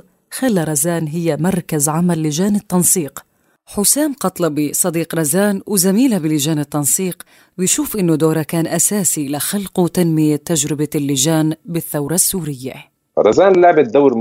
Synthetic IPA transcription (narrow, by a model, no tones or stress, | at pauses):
xalːaɾˤɑzaːnɦɪjːamɑɾˤkazʕamalːɪʒaːnɪt̪ːɑnsˤiːq | ħʊsaːmqɑt̪ˤlɑbisˤɑd̪iːqɾˤɑzaːnwɪzamiːlabɪlɪʒaːnɪt̪ːɑnsˤiːq | wɪjʃuːfʔɪnːʊd̪oːɾˤakaːnʔasaːsilɪxalqut̪anmɪjat̪ad͡ʒɾɪbalːɪʒaːnbɪθːawɾˤɑsːuːɾɪjːa̰ | ɾˤɑzaːnlaʕbɪt̪̚d̪awːɾ